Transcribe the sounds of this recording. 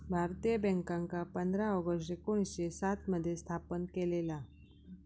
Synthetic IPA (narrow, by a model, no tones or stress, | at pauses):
bʱaɾt̪ijəbɛ̃ŋkãŋkapənd̪ʱɾaɔɡəʂʈekoɽ̃isɕesat̪məd̪ʱːjest̪ʰapənkelela